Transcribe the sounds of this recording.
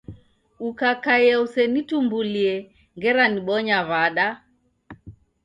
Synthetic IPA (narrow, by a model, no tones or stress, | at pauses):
ukakaiɛusɛnitumbuliɛ | ŋɡɛɾaniɓɔɲaβaɗa